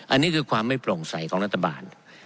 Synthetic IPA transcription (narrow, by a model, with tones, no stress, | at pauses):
ʔa˧nːiː˦˥kʰɯː˧kʰwaː˧mːa˥˩jpʰlo˨˩ŋsa˨˩˦jkʰɔː˩˦ŋɾa˦˥t̪ʰːa˧ba̰ː˧n